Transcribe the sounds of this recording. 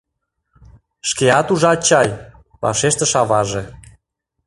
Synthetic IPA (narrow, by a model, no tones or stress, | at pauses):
ʃkeɑt̪uʒɑt͡ɕɑj | βɑ̰ʃeʃt̪ə̆ʃɑβɑʒe